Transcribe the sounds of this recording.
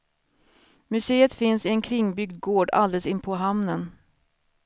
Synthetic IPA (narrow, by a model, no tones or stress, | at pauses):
mɵseːət̪fɪnsɪɛnkʰɾɪŋːbʏɡ̚d̪̚ɡoːɖa̰ld̪ɛlsɪnpʰɔɦamnən